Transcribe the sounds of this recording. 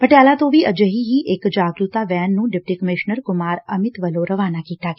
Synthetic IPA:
pəʈejaːlat̪õʋiʔɐd͡ʒəɦiɦiʔɪkd͡ʒaːɡɾut̪aʋɛːnːũːɖɪp̚ʈikəmɪʃnəɾkʊmaːɾɐmɪt̪ʋəloɾɐʋaːnakiːt̪aɡ

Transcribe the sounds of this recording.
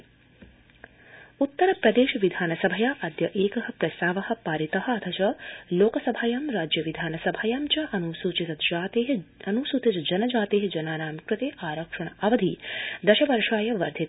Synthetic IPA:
ut̪ːɐɾɐpɾɐd̪eːʃɐʋid̪ʱaːnɐsɐbʱɐjaʔɐd̪jɐʔeːkɐɦɐ̆pɾɐst̪aːʋɐɦɐ̆paːɾit̪ɐɦɐ̆ɐt̪ʰɐt͡ʃɐloːkɐsɐbʱaːjaːmɾaːd͡ʒjɐʋid̪ʱaːnɐsɐbʱaːjaːmt͡ʃɐʔɐnusuːt͡ʃit̪ɐt̪d͡ʒaːt̪eɦɐnusuːt̪ɐt͡ʃɐd͡ʒɐnɐd͡ʒaːt̪eːɦɐd͡ʒɐnaːnaːmkɾɪt̪eːʔaːɾɐkʂɐɳ̃ɐʔɐʋɐd̪ʱid̪ɐʃɐʋɐɾʃaːjɐʋɐɾd̪ʱi

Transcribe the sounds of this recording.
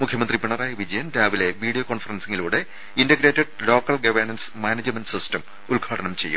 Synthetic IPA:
mukʰjɐmɐnd̪ripiɳɐraːjɐʋid͡ʑɐjɐnɾaːʋile̞ʋiːɽijokoːɳfɐrɐnsiŋiluːɽe̞ | indɐɡɾe̞ːtːɐɖlo̞ːkːɐlɡɐʋɐrnɐnsmaːned͡ʑɐmɐnɖsistɐm | ulɡʱaːɽɐnɐmt͡ɕe̞jːṵm

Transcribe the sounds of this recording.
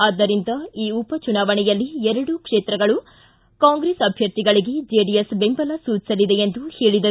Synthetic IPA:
aːd̪ːɐɾind̪ɐiːupɐt͡ʃunaːʋɐɳɛjɐlːiɛɾɐɽukʂeːt̪ɾɐɡɐɭu | kaːŋɡɾeːsɐbʱjɐɾt̪iɡɐɭiɡe̞d͡ʒeɖijesbe̞mbɐlɐsuːt͡ʃi̥sɐlid̪e̞end̪uhe̞ːɭid̪ɐ

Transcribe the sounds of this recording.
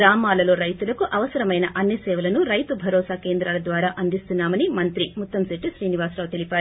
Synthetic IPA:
ɾaːmaːlɐlo̞ːɾɐjt̪ulɐkuʔɐʋɐsɐɾɐmɐjnɐʔɐnːɐsɛːʋɐlɐnuɾɐjt̪ubʱɐɾɔːsaːkeːnd̪ɾaːlɐd̪ʋaːɾaːʔɐnd̪ist̪unːaːmɐnimɐnt̪ɾimut̪ːɐmseʈːiʃɾiːniʋaːsɾaːʋt̪e̞lipaːɾu

